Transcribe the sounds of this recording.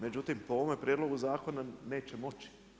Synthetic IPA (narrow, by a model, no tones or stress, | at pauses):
me̞d͡ʑut̪impooʋomepɾjed̪lo̞ɡuzaːko̞nane̞ːt͡ɕe̞mo̞t͡ɕi̥